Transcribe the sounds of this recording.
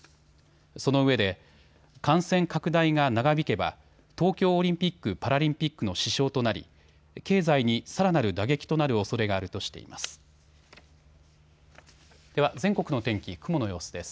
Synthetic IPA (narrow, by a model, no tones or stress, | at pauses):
so̞no̞ɯ̟βe̞d̪e̞ | kãɰ̃sẽ̞ŋkakɯ̟d̪aiŋanaɡabʲike̞ba̰ | t̪o̞ːkʲo̞ːɾʲĩmpʲikːɯ̟paɾaɾʲĩmpʲikːɯ̟no̞ɕiɕo̞ːt̪o̞naɾʲḭ | ke̞ːzaiɲ̟isaɾanaɾɯ̟d̪aɡe̞kʲi̥t̪o̞naɾɯ̟o̞so̞ɾe̞ɡaːɾɯ̟t̪o̞ɕi̥t̪e̞̰ḭmʔa̰sɨ̥ | d̪̥e̞βazẽ̞ŋko̞kɯ̟no̞t̪ẽ̞ŋkʲikɯ̟mo̞no̞jo̞ːsod̪e̞sɨ̥